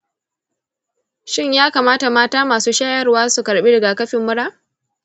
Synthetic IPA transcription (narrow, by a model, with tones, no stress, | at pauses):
ʃɪ˦ɲjaː˦kaː˨maː˦ta˨maː˦taː˦maː˨suː˦ʃaː˦jɐ˦rwaː˦su˨kɐ˨ɽɓiː˦dɐ˨ɡaː˨kɐ˦ɸɪ˨mːʊ˦ɽaː˦